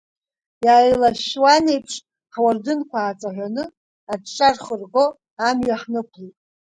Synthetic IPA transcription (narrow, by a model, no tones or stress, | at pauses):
jaːjlaʃwane̞jpʰʂ | ħwardɨnkʷʰaːt͡sʼaʕʷanɨ | adʈ͡ʂʼarχərɡo̞ | amɥaħnɨkʷʰlijtʼ